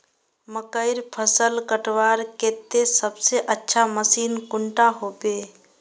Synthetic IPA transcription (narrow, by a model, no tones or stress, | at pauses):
məkəɪɾpʰəsəlkəʈʋaɾket̪ːesəbseʔətːʃʰaməsiːnkʊɳʈaɦobe